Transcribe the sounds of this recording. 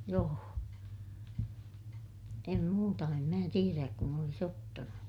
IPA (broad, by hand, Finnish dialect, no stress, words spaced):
joː em muːtɑ em mæː tieræk kun olis otːɑnu